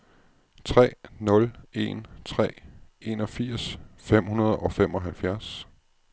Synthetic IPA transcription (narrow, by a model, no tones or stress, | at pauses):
t͡sʰʁɛ̰ːnɔ̽le̝nt͡sʰʁɛ̰ːe̝nɒ̽fiɐ̰sfem̰hunɐð̞ˠɒ̽fem̰ɒ̽ɦælfjæɐs